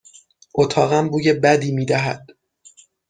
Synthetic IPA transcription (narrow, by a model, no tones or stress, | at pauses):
ʔot̪ʰɒːɣæmbuːjebæd̪iːmiːd̪æɦæd̪̥̚